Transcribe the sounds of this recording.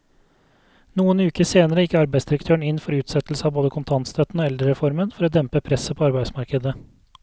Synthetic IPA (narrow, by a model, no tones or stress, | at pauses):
nuːənʉːkəseːnəɾəɪkːəɑɾbæɪsd̪ɪɾəkt̪ʰøːɳɪnfɔɾʉːt̪sɛt̪l̩səɑːboːd̪əkʰʊnt̪ʰɑnt̪st̪ʰœt̪n̩oːɛld̪ɾəɾɛfɔɾmənfɔɾoːd̪ɛmpəpʰɾɛsəpʰoːɑɾbæɪsmɑɾkəd̪ə